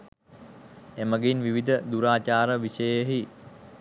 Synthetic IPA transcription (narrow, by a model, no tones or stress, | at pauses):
eməɡenʋiʋid̪əd̪uɾaːt͡ʃaːɾəʋiʃəjəɦi